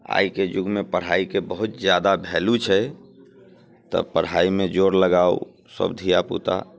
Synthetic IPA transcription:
a̰iked͡ʒʊɡmepəɽ̤aikebəɦut̪d͡ʒjad̪abʱɛlut͡ʃʰɛ | t̪ə̰pəɽ̤aimed͡ʒoɾləɡao̰ | sə̰bd̪ʱijapṵt̪a̰

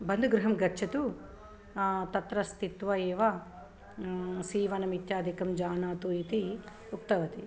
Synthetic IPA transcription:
bɐnd̪ʱuɡɾɐɦɐmɡɐɾt͡ʃʰɐt̪u | t̪ɐt̪ɾɐst̪it̪ʋɐeːʋɐ | siːʋɐnɐmit̪jaːd̪ikɐmd͡ʒaːnaːt̪uit̪i | uk̚t̪ɐʋɐt̪i

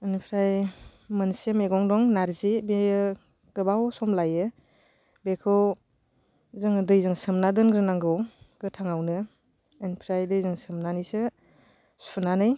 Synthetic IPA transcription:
ɯnipʰɾajmɯnsemeɡɔŋdɔŋnaɾzibejɯ | ɡ̥ɯbawsɔmlajɯ | bekʰɯw | zɯŋdɯjzɯŋsɯmnadɯnɡɾɯnaŋɡɔwɡ̥ɯtʰaŋawnɯː | npʰɾajdɯjzɯŋsɯmnanijsɯ | sunanɯj

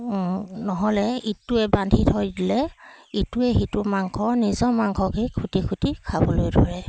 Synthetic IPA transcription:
nɔɦɔlɛitːuɛbandʱitʰɔjdilɛituɛxitumaŋkʰɔnizɔmaŋkʰɔkijkʰutikʰutikʰabɔlojdʱɔɹɛ

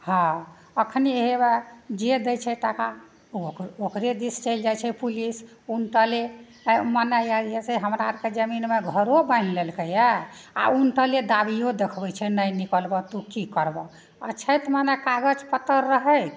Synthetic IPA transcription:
hɔ̃ | əkʰniɦebad͡ʒed̪əjt͡ʃʰɛʈaka | uokɾed̪ist͡ʃəɪld͡ʒajt͡ʃʰɛpulis | unʈ̪əle | mənajajɛseɦəmɾaɾked͡ʒəminmeɡʱəɾobaɪnlelkəjɛa̰unʈəled̪abijod̪ekʰbɛjt͡ʃʰɛnəjnikəlbɔt̪ukikəɾbɔ | ət͡ʃʰəjt̪manekaɡəd͡ʒpət̪əɾːəɦəj

